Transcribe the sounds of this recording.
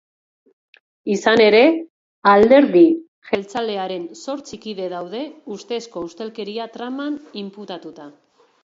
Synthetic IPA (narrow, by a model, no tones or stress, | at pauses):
isane̞ɾe̞ | ald̪e̞ɾði | ʝe̞lt͡sale̞aɾe̞nso̞ɾt͡sikiðe̞ð̞awðe̞ust̪esko̞ust̪e̞lke̞ɾiat̪ɾamanimput̪at̪ut̪a